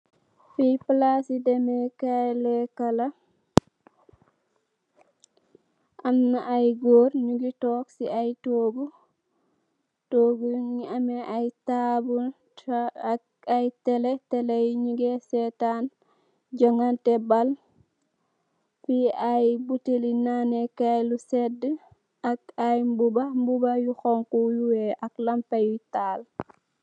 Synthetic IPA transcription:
fiplasidɛmɛkalɛkala | ʔamːɛʔajɡoɾɲuɡitɔksiajtoːɡu | toɡuŋiamɛʔajtabu | ajtɛletɛlejɲuɡesɛtan | ɟɔŋantɛbal | fiajbutilinanekajlusɛdə | akajmbubambubajuxɔŋkujuwɛʔaklampajutaːl

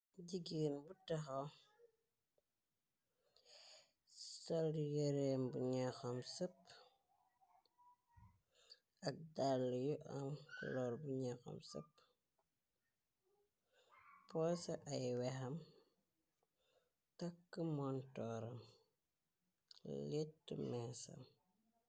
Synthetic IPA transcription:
ɟiɡiːnbutɐxo | sɔljəɾembuɲɛxɐmsɐpː | ɐk̚dalːjuʔɐmkṵlɔːrbuɲɛxɐ̰msɐ̰pː | pɔsɐʔɐjwɛxɐm | tɐkːəmɔntɔːɾɐ̰m | letːṵmɛːsɐ̰m

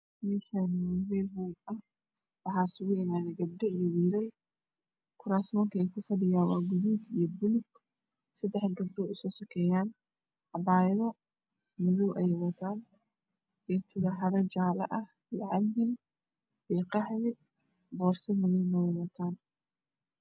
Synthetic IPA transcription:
mɛʃanmɛɦuːɡɐh | wɑħaːsʊɣʊɪmaːðɛɡɐb̚ɖɛijɔwiːɾɐl | kʰʊɾaːsmɔːŋkʰɐɛjkʰʊfɐɖɪjaːwɑːɡʊðuːd̪ijɔbʊlʊɡ | sɐd̪ɛħɡɐb̚ɖɔːʔʊsɔːsɐkʰɛːjaːn | ʕɑbaːjɐðɐ | mɐðuwʔɛjwɐt̪ʰaːn | ʔijɞt̪ʰʊɾɐħɐðɐd͡ʒaːlɐ̰ʔɐh | ijʕɑlbɪn | ijqɑħmɪ | bɔːrsɛmɐðuwnɔwɛwɐt̪ʰaːn

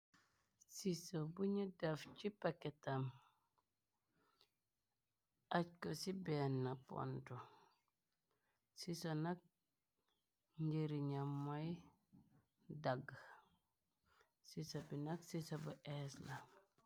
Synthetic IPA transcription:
sisobuɲudaft͡ʃipaketam | ʔackosibɛːnːapo̰nto | sisonak̚ | ɲɟiɾiɲamːaj | daɡ | sisobinaksisobuʔesla

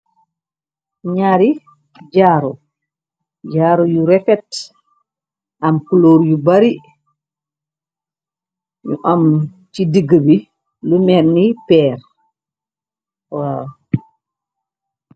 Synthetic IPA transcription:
ɲaɾi | ɟaːɾɔ | ɟaːɾujuɾɛfɛt | ʔamkuloːɾjubaɾi | ɲuʔam | t͡ʃidiɡəbi | lumɛɾnipɛːɾ | wa

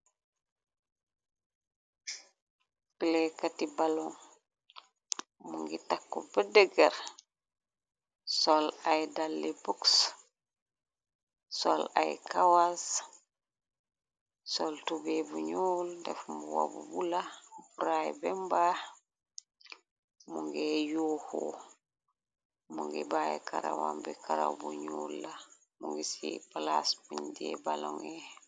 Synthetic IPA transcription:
pilɛkatibalɔŋ | muŋɡitakːɔbɛdɛɡɛɾ | sɔlajdalːibuks | sɔ̰la̰jkʰawas | soltubɛbuɲuːldɛfmuwa̰bubulabuɾajbɛmba | muŋɡɛjuːho̰ | muŋɡibajɛ̰kaɾawa̰mbɛkaɾa̰wbuɲuːlːa | muŋɡisipalasbuɲdɛ̰baloŋɛ

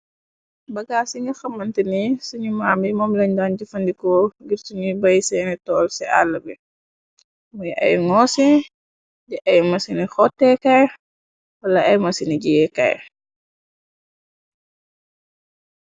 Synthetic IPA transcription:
bɐɡaːsiŋɐxɐmːɐntənisuɲumaːmbimɔmlɛɲdand͡ʒufɐndikɔɡiɾtunibɐjsɛnɛtɔːlsɛʔa̰lːɐbɛ̰ | mujɛʔɐ̰juŋɔsi | dɛʔɐjmɐsinixɔtːɛkaj | wɐlɐʔɐjmɐsiniɡijɛka̰j

